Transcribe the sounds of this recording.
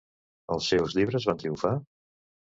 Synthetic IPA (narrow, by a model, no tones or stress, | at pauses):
əlˠsːɛwzʎiβɾəzβant̪ɾiuɱfa